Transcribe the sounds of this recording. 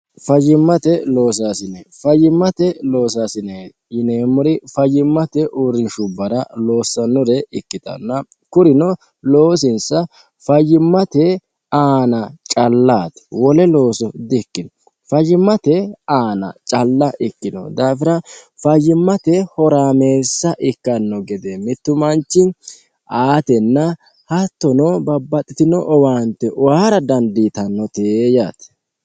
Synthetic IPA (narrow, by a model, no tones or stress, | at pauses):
fɐjɪmːɐt̪ɛlo̞ːs̬aːsɪnɛfɐjːɪmːɐt̪ɛlo̞ːs̬aːsɪne | jɪneːmɔɾɪfɐjːɪmːɐt̪ɛʔuɾɪnʃʊbːɐɾɐlo̞ːsːɐnːɔɾɛɪkːɪt̪ɐ̰nːɐ | kʊɾɪnɔ | loːs̬ɪnsɐ | fɐjːɪmːɐt̪ɛ | aːnɐt͡ʃʼɐlːaːt̪wɔlɛlo̞ːsɔd̪ɪkːɪnɔ | fɐjːɪmːɐt̪ɛaːnɐ̰t͡ʃʼɐlːɐʔɪkːɪnɔ̰d̪aːfɪɾɐfɐjːɪmːɐt̪ɛhɔɾaːme̞ːsːɐʔɪkːɐnːɔɡɛd̪ɛmɪt̪ːʊmɐnt͡ʃːɪn | aːt̪ɛnːɐ | hɐt̪ːɔnɔbɐbːɐt̪ʼːɪt̪ɪnɔʔɔwaːnt̪ːɛʔwaːɾɐd̪ɐnd̪it̪ɐnːɔt̪ejaːt̪